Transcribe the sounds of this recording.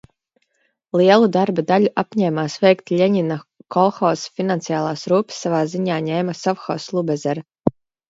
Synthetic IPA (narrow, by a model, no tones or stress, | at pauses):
lˠiɛlˠud̪aɾbad̪aluʔapɲɛːmaːsvɛjkt̪ʎʲɛɲinakɔlˠxɔːsfinant̪sijaːlˠaːsɾuːpsːavaːziɲaːɲɛːmasɔfxɔːslˠubɛzɛɾ